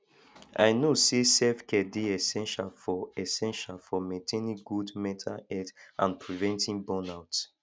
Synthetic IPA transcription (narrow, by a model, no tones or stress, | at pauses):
a̰ɪnosesɛfkʰɛdeɛsɛ̃nʃalfɔɛsɛ̃nʃalfɔmɛ̃tʰenĩɡudmɛtʰa̰ɛdʔã̰npʰɹivɛ̃ntĩnbɔ̃naʊts